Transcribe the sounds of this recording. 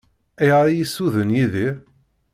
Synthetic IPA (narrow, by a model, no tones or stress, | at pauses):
æjʁɾijisːuðənjiði